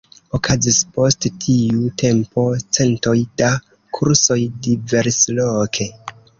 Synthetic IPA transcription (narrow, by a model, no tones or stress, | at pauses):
okʰazispo̞sttʰiutʰe̞mpo̞t͡se̞nto̞jda | kʰuɾso̞jdiveɾslokʰe̞